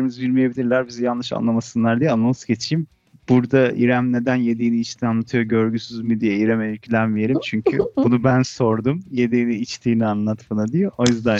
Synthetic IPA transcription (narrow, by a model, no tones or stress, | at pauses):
ɾimizbiɾmijebilʲiɾlʲæɾbizijanːɯʃa̰nlˠamasɯnlˠaɾd̪ijɛanːˠamɯ̥szɟe̞t͡ʃʰijim | b̥uɾd̪aiɾæmne̞d̪ænje̞d̪iːniit͡ʃt̪ʰinanːˠat̪ʰɯjo̞ɟø̞ɾɟysyzmid̪ijeiɾɛmeylʲcʰilʲænvijeɾʲimt͡ʃʰyɲcʰybunubænso̞ɾd̪umje̞d̪iːniːt͡ʃt̪ʰiːnianlˠat̪malˠad̪ijo̞ʔojyzd̪æ